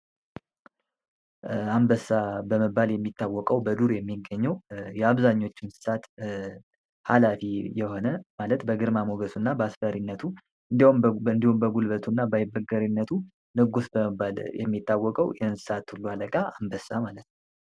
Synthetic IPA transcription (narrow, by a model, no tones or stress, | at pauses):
ambəsabəməbːaljɛmːit̪ːawːɔkʼəwbəd̪uɾjɛmːiɡːəɲːɛwjɛaβzaɲːo̞t͡ʃːɪnsɨ̥sat̪ | halafijɛho̞nəmalət̪bəɡɨɾmamoɡəsunːabəasfəɾinːət̪ʰu | ʔɨnd̪iumɨnd̪ihumbəɡulbət̪ʰunːabajɪbɾɨɡəɾinːət̪ʰu | nɨɡusbəəaljɛ̰mːit̪ːawːɔkʼəwjɛhɨnsɨ̥sat̪hulːualəkʼaambəsamalət̪nəw